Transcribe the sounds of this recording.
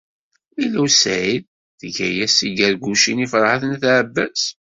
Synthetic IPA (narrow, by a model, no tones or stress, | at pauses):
milusæið | θəʝæjæsiɡæɾɡuʃinifəɾˤhaθənθʕəbːæs